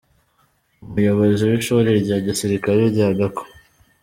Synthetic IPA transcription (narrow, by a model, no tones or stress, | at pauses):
umujo̞βoziwiʃoɾeɾɟaːɟisiɾikaɾeɾɟaːɡako̥